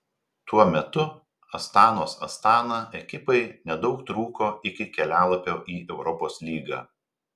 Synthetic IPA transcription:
t̪uɔmʲɛt̪ʊ | ɐst̪ɑːnoːsɐ̰st̪ɑːnɑːʔɛkʲɪpɐɪnʲɛd̪ɒʊkt̪ɾuːkoːʔɪkʲɪkʲɛlʲæːlˠɐpʲoːʔiːʔɛʊɾɔpoːslʲiːɡɑ̰ː

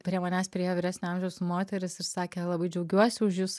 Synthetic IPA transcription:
pʲɾʲiɛmɐnʲæːspʲɾʲɪejoʋʲiːɾʲæːsʲnʲʊɑmʲʒʲɛʊsmoːt̪ʲɛɾʲɪsɪɾsɑːkʲɛlˠɐbɐɪd͡ʒʲɛʊɡʲuɔsʲɪʊʃjuːs

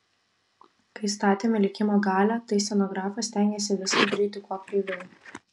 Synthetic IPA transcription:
kɐɪst̪ɑːt̪ʲeːmʲɪlʲɪkʲɪmoːɡɑːlʲɛt̪ɐɪsʲɛnɔːɡɾɑːfɐsʲt̪ʲæŋʲɡʲeːsʲɪʋʲɪsɐbʲɾʲid̪ʲɪkuɐklʲiːʋʲɛ

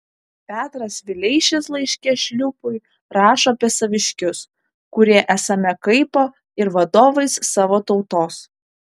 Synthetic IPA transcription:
pʲæːt̪ɾɐsʋʲɪlʲɛɪʃʲeslˠɐɪʃʲkʲɛʃʲlʲʊpʊɪ | ɾɑːʃopʲɛsɐʋʲɪʃʲkʲʊs | kʊɾʲiɛʔæsɐmʲɛkɐɪpo | ɪɾʋɐd̪oːʋɐɪsːɑːʋoːt̪ɒʊt̪oːs

